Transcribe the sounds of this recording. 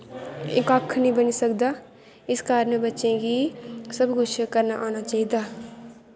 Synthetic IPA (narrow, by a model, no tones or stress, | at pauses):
ɪ̰kakʰnəĩːbənisəkd̪aː | ɪskaːɾnebətːʃẽɡisəbɡʊʃkəɾnaʔaːnaːt͡ʃaːɦid̪aː